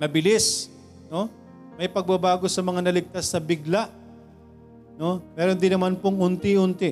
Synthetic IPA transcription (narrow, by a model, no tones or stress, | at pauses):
nɐbɪlɪs | no̞ | mɐjpɐɡ̚bɐbaːɡo̞sɐmɐŋanɐlɪɡ̚t̪asnɐbɪɡlaʔ | no̞mɛːɾond̪ɪnɐmanpoŋʊnt̪ɪʊnt̪ɪ